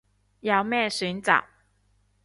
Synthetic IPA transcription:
jɑ˨˩wmɛ˥˩ɕy˨˥nt͡sɑ̰˨˩˦ʊ

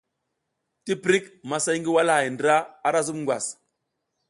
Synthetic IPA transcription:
ti˦pɾi˦kma˨sa˦jŋɡi˦wa˦lha˨jndɾa˦a˦ɾa˦zu˦mŋɡwa̰˨s

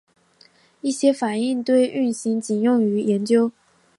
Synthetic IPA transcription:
i˥˩ɕjɛ˥fa˨˩ni˥˧ŋt̪we˥˧ɪʔy˥˩nɕi˧˥ŋt͡ɕi˨˩njʊ˥˩ŋy˧˥jɛ˧˥nt͡ɕjo˥ʊ

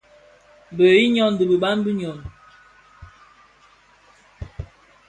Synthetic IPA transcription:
bə˨i˦ɲɔ˦˨n˨də˨bə˨ɓa˦nbi˦ɲɔ˨n

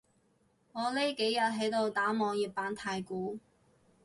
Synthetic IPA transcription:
ŋɔː˨˧le˥jke˨˥jjɐ˨t̚ɦe˨˥jt̪o˨˧wt̪aː˨˥mɔː˨˧ŋjiː˨p̚paː˨˥nt̪ʰaː˧jkuː˨˥

